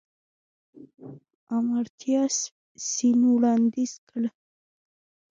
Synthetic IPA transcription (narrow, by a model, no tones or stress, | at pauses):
amaɾt̪ʰijas | sinuwɽand̪iskəl